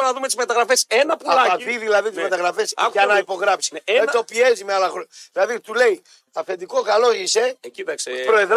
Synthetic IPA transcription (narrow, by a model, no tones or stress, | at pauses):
nɐðumet̪uzmet̪ɐɣɾɐfesenɐpulaviðilɐðit̪uzzmet̪ɐɣɾɐfesɐnɐipoɣɾɐpsi̥et̪opiezimeɐlɐɣɾoðilɐðit̪ule̞j | ɐfend̪ikokaloʝiseekspɾoeðɾ